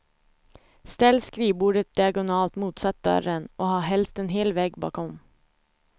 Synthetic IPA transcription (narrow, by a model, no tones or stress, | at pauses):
st̪ɛlskɾiːbuːɖət̪̚d̪ɪaɡʊnɑːlt̪muːt̪sat̪̚d̪œ̰ɾənʔɔɦɑːɦɛlst̪ɛnɦeːlvɛːɡbɑ̰ːkɔm